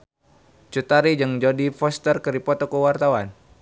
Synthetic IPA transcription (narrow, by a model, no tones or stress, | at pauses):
t͡ʃut̪aɾid͡ʒəŋd͡ʒodifɔst̪ərkəɾipɔt̪ɔkəwart̪awan